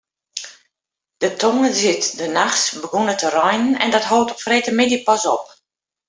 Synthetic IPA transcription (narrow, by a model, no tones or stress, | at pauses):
d̥ətʰɔŋəzɪtdənaxsbəɡonətʰərɔjnənɛ̰ndɔtɦoːtɔ̥freːtəmɪdipɔsɔ̰p